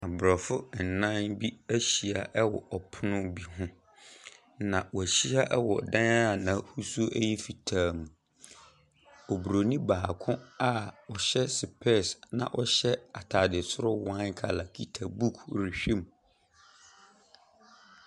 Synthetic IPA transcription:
a˨bɾɔ˨fʊ˦n̩˨nã˦nbi˦æ˦ɕi˨a˨ʔɛ˦wɔ̰˨ʔɔ˨pʰʊ˦nʊ̃˦bi˨ɦʊ̃˦ | nã˨wɔ˨æ˨ɕi˦a˦ʔɛ˦wɔ˨dã˦na˦˨nã˨hu˦su˦ʔɛ˦jɛ˦fi˨tʰaː˨mũ˨ | ɔ˨bu˨ɾo˨nĩ˦baː˨kʰʊ̃˦a˦ɔ˨ɕɛ˦sɪ˨pʰɛ˦˨snã̰˨ʔɔ˨ɕɛ˦a˨tʰaː˨dɪ˨sʊ˦ɾʊ˦wã˦nkʰa˨la˨kʰi˨tʰa˨bu˦kʰɾi˨ɕᶣĩ˦˨m

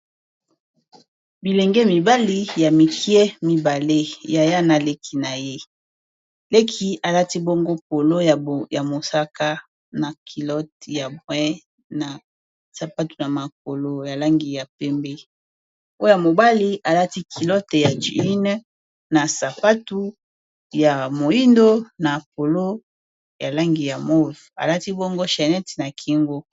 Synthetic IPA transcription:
bi˨le˨ŋɡɛ˦mi˨ba˦li˦ja˨mi˨ki˦e˦mi˦ba˨le˦ja˨ja˦na˨le˦kʰi˨na˨je˦ | le˦kʰi˨a˨la˦ti˦bo˦ŋɡo˦p̚o˨lo˦jja˨mo˨sa˦ka˦ | na˨kʰi˨lɔ˦tja˨bwɛ˦ | na˨ | sa˨pa˦tu˨na˨ma˨k̚o˨lo˨ja˨la˦ŋɡi˨ja˨pɛ˦mbe˦ | o˦o˦ja˨mo˨ba˦li˦ʔa˨la˦ti˦kʰi˨lɔ˦tja˨d͡ʒi˨i˦n˦ | na˨sa˨pa˦tu˦ | ja˨mo˨ji˦ndo˦na˨p̚o˨lo˦ | ja˨la˦ŋɡi˨ja˨mo˦va̰˨la˦ti˦bo˦ŋɡo˦ʃa˨nɛ˦tna˨kʰi˦ŋɡo˦

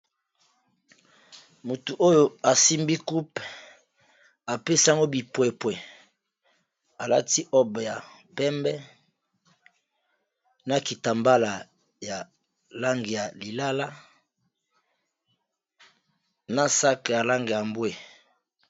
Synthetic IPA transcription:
mu˨tu˨ʔo˦jo˦a˨si˦mbi˦ku˦p | a˨pe˦si˦a˦ŋɡo˦bi˨pwe˨pwe˨ | a˨la̰˦ti˦ʔɔ˦bja˨pɛ˦mbɛ˦ | na˨ki˨ta˨mba˦la˨ | ja˨ | la˦ŋɡe˨ja˨li˨la˦la˦ | na˦sa˦ka˨ja˨la˦ŋɡe˨ja˨mbwe˨

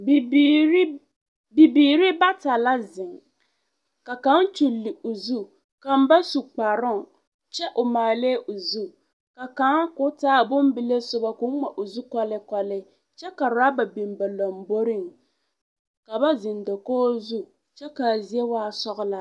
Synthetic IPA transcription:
bɾ | bi˨biː˨ɾɪ˦ba˦ta˨la˦zɪ˨ŋ | ka˨ka˨˦nt͡ʃu˨lːɪ˨o˨zu˦ | ka˨m̩˦ba˦su˨k͡pa˨ɾʊ˦ŋ˨ | t͡ʃɛ˦ʔʊ˨maː˨le˦ʔo˨zu˦ | ka˨ka˨˦ŋkʊ˦taː˦˨bʊ˦m˦bɪ˦le˦sʊ˦ba˨kʊ˦ŋa˨ʔo˨zu˦kɔ˦lɪ˦kɔ˨lɪ˦ | t͡ʃɛ˦ka˨ɾɾa˦ba˨bi˨mba˨lɔ˨mbo˦ɾɪ˦˨ŋ | ka˨ba˦zɪ˨ndo˨koː˦zu˦ | t͡ʃɛ˦ka˨zi˦e˦waː˦sɔ˦ɣʊ˦la˦

